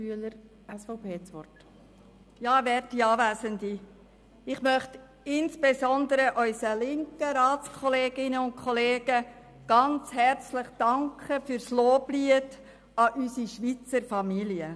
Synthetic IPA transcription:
yələɾ | ɛsfɔʊpʰeːt͡sʋɔ̰t | jɑːvɛɾtiɑːʋæːsəndi | ɪχmœχt | ɪnsb̥esɔnd̪əɾəʔœʏsəlɪŋkəɾɑːt͡skʰɔleːɡ̥ɪnəʊn̚kʰχɔleːɡ̥ə | ɡ̥ɑnt͡shɛrt͡slɪχd̥ɑŋkχəfyːɾsloːbliəd | ɑʔysiʃʋit͡səɾfɑmiliə

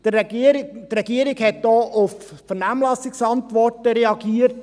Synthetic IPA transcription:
d̥əiɾɪtrɛɡ̥iəɾɪɡhɛt̚d̥ɔːʔʊf | fəɾnæːmlɑsɪksɑntʋɔrtəɾɛɑɡiːəɾt

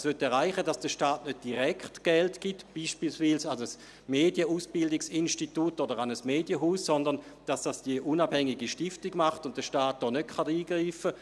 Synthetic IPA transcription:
sʋøtɛɐʁaɪχədasd̥əʃtaːtnød̚d̥iʁɛktɡ̥ɛltɡ̥ɪtb̥iːʃpiːlsviːlsaəs | meːdjəuːsb̥ɪldɪksinʃtitutodəʁanəsmeːdjəɦuːsːɔndəʁnd̥asd̥asd̥iəʔunab̥hɛŋiɡiʃtɪftɪɡmaχtʊntdəʃtaːt̚d̥ɔːnøtkʰaniːɡ̥ʁiːfə

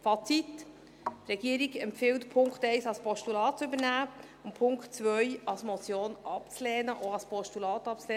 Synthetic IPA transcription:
fɑt͡sit | ɾɛɡiəɾiɡɛmpfɪltpʰʊŋkχtɛɪsɑlspʰɔʃtulɑːtt͡sʏbəɾnæː | ʊmpʰʊŋktt͡svœjɑlsmot͡sjoːnʔɑpt͡slɛːnəʔoɑspʰɔʃtulɑːtɑp̚t͡sleː

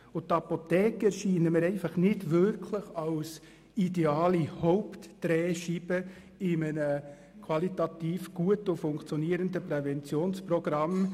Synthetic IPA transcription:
ʊt̪ːɑpotɛːkɛɾʃiːnəməɾɛɪfɑχnɪdʋʏɾkʰləχɑls | ideɑːlihɔʊptd̥ɾɛːʃib̥ə | ɪmənə | kʰwɑlitɑtiːfɡ̥uətʊfʊŋkt͡sjɔniːəɾəndəprɛvɛnt͡sjoːnsprɔɡ̥rɑm

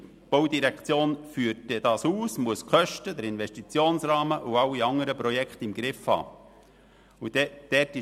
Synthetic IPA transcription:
b̥ɔwd̪iɾɛkt͡sjoːnfyːɾtdɛd̥̪ɑːsuːsmuəskʰœʃtəd̪əɾɪnvɛʃtit͡sjoːnsɾɑːməʔuɑwiɑŋəɾəpɾɔjɛkχt̪ɪmɡ̥ɾɪfhɑ̰ː | ud̥̪ɛd̥ɛtɪ

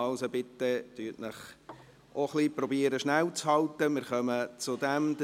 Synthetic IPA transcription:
ɑʊsəbɪt̪ːəd̥̪yːtnəχ | ʔoχlipɾɔbiəɾəʃnæwt͡shɑlt̪əmɪɾχœmət͡sʊd̪æmd̪ə

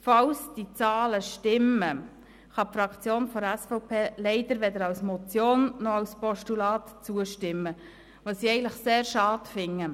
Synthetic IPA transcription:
fɑwsd̥it͡sɑːləʃtɪmə | χɑpfɾɑkt͡sjoːnfɔɾɛsfɔʊpʰeːlɛɪd̥̪əɾʋɛd̪əɾɑwsmɔt͡sjoːnːɔɑwspɔʃtulɑːtt͡suəʃtɪmːə | ʋosiɛɪɡən̩tləχseːɾʃɑːtfɪŋːə

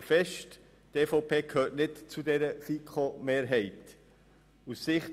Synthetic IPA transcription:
fɛʃt | teːfoʊpʰeːkʰhøːɾtnɪtt͡sudɛɾəfikχomeːɾɦɛɪt | ussɪχt

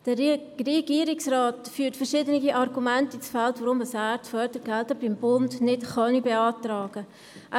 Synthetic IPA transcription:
d̥əreɡ̥iːəɾɪksrɑːtfyːtfəɾʃɪdənɪɡiʔɑrɡumæntit͡sfɛltvoɾʊməsætfœdəɾɡ̥ɛltəbɪmbʊndnɪtχɑnibeɑːtɾɑːɡ̥ə | ʔæ

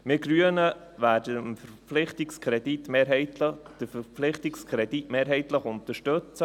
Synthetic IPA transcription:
mɪɡɾyənə | væːdəmfəɾflɪχtɪkskʰʁɾɛditmeːɾɦɛɪtləd̥əfəflɪχtɪkskʰɾɛditmeːɾɦɛɪtləχʊntəʃtɵt͡sə

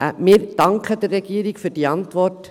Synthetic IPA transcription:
mɪːɾd̥ɑŋkχəd̥ərːɛɡ̥iːəɾɪɡfyːɾd̥iːɑntʋɔrt

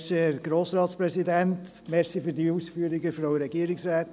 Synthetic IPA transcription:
seæɾɡ̥ɾoːsɾɑːtspɾɛsidænt | mɛɾxsifyɾdiusfyəɾiɡəfɾɔʊəɾɛɡiəɾiksɾæːt̪

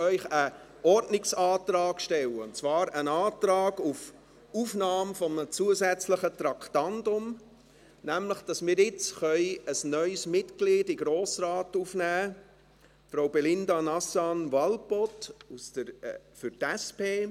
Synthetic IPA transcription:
œʏχə | ʔɔɾtnɪksɑːtɾɑːɡ̥ʃtɛləʊnt͡svɑːɾənɑːtɾɑːɡuf | ufnɑːmfɔmət͡suəzæt͡sləχət̪ɾɑkʰtɑntʊm | næmləχd̥ɑsmɪːɾɪt͡sχœʏəsnœʏsmɪtkliːdɪɡɾoːsɾɑːtufnæː | fɾaʊbɛlɪndɑnɑsɑnʋɑlpɔtusd̥əɾfʏɾtɛspeː

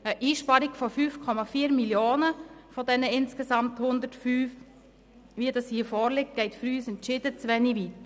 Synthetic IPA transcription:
əʔiːʃpɑɾiɡ̥fɔfyːfkʰɔmɑfiːɾmiljoːnəfɔdɛnəɪnskəsɑmthʊnd̪ətfyːf | ʋiədɑshiːəfɔːɾlɪk̚t̚ɡ̥ɛɪtfɾyːsɛntʃɪdət͡sʋɛniʋit

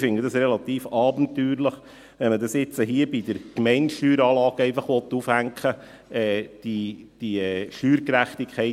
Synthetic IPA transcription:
fɪnd̪ədɑsɾɛlɑt̪iːfɑːbənt̪yːɾləχ | ʋɛnmədɑsɪt͡səɦiəbid̥̪əɾkmɛɪntʃtyːɾɑːlɑːɡ̥ɛɪfɑχʋɔt̪ːufhæŋkχə | ɛːd̥id̥iɛʃyːɾkɾæχt̪ikχɛɪ

